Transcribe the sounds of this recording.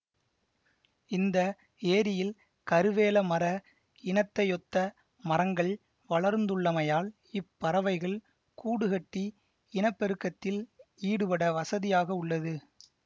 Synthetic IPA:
ɪnd̪ɐ | eːɾɪjɪl | kɐɾɯʋeːlɐmɐɾɐ | ɪɳɐt̪ːɐjɔt̪ːɐ | mɐɾɐŋɡɐɭ | ʋɐɭɐɾnd̪ɯɭːɐmɐjaːl | ɪpːɐɾɐʋɐɪɣɐɭ | kuːɽɯɣɐʈːi | ɪɳɐpːɛɾɯkːɐt̪ːɪliːɽɯpɐɽɐʋɐsɐðɪjaːɣɐʊɭːɐðɯ

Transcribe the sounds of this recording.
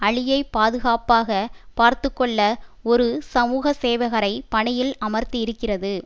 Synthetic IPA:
ɐɭɪjɐɪpaːðɯɣaːpaːɣɐpaːɾt̪ɯkːɔɭːɐɔɾɯsɐmuːɣɐseːʋɐɣɐɾɐɪpɐɳɪjɪlɐmɐɾt̪iɪɾɯkːɪrɐðɯ

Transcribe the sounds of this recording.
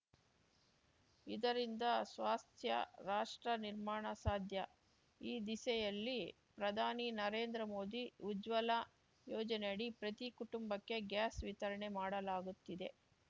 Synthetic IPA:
id̪ɐɾind̪ɐsʋaːst̪ʰjɐ̰ɾaːʂʈɾɐniɾmaːɳɐsaːd̪ʱjɐ | iːd̪isɛjɐlːi | pɾɐd̪ʱaːninɐɾeːnd̪ɾɐmo̞ːd̪iud͡ʒʋɐla | joːd͡ʒɐneɐɽipɾɐt̪ikuʈumbɐkːe̞ɡjaːsʋit̪ɐɾɐɳe̞maːɽɐlaːɡut̪ːid̪e̞

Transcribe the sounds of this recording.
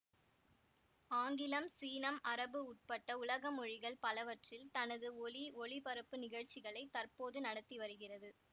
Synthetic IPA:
aːŋɡɪlɐmsiːnɐmʔɐɾɐbɯʊʈ̚pɐʈːɐʊlɐɣɐmɔɻɪɣɐɭpɐlɐʋɐʈrɪlt̪ɐnɐðɯɔliɔɭɪpɐɾɐpːɯnɪɣɐɻt͡ʃːɪɣɐɭɐɪt̪ːɐrpoːðɯnɐɽɐt̪ːiʋɐɾɯɣɪrɐðɯ

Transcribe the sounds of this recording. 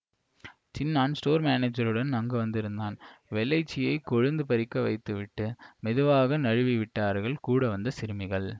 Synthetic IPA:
t͡ʃɪnːaːnsʈoːɾmaːneːd͡ʒɐɾɯɽɐnnɐŋɡɐʋɐnd̪ɪɾɯnd̪aːnʋɛlːɐɪt͡ʃːɪjɐɪkɔɻɯnd̪ɯpɐɾɪkːɐʋɐ̰ɪt̪ːɯʋɪʈːɯmɛðɯʋaːɣɐnɐɻɯʋɪʋɪʈːaːɾɣɐɭkuːɽɐʋɐnd̪ɐsɪɾɯmɪɣɐɭ

